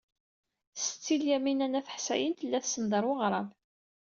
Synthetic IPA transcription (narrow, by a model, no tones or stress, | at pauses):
sə̥t͡sːiljæminænæθə̥ħsæ̰jənt̪əlːæθsənd̪əɾˤwəʁɾˤɑv